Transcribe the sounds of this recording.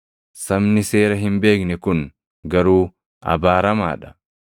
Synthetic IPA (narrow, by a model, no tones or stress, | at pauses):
sɐmnɪse̞ːɾɐɦɪmbe̞ːknɛkʊn | ɡɐɾuː | ʔɐ̰baːɾɐma̰ːᶑɐ̥